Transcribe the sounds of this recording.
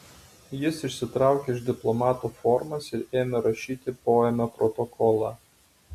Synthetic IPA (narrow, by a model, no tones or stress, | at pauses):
jɪsɪʃʲsʲɪt̪ɾɑˑʊkʲeɪʒd̪ʲɪplˠɔmɑːt̪ufɔɾmɐsɪɾeːmʲɛɾɐʃʲiːt̪ʲɪpoːjɛmʲoːpɾɔt̪ɔkʰɔlˠɑ